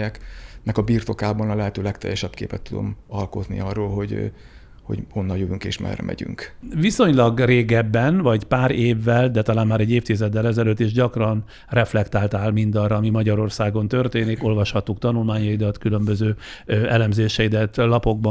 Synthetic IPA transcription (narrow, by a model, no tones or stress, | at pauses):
ɛknɛkɒbiːrt̪o̞kaːbɒnɒlɛɦɛt̪øːlɛkt̪ɛ̰jɛʃɛbkḛːpɛt̪ːud̪o̰mɒlko̞t̪nḭɒrːoːlɦo̞ɟ | ho̞̰ɟo̞nːɒljøvyŋkḛːʃmɛ̰rɛ̰mʔɛ̰ɟy̰ŋkviso̞ɲlɒɡreːɡɛbːɛnvɒɟpaːɾeːvːɛld̪ɛt̪ɒlaːnmaːɾɛɟːeːft̪izɛd̪ːɛlɛzɛløːt̪ːeːʒɟɒkrɒn | rɛflɛkt̪aːlt̪aːlmind̪ɒrɒːmimɒɟɒɾo̞rsaːɡo̞nt̪ø̞rt̪eːniko̞lvɒʃhɒt̪ːukt̪ɒnulmaːɲɒjid̪ɒt̪kylø̞mbøzøːɛlɛmzeːʃɛid̪ɛt̪ːlɒpo̞ɡ̚b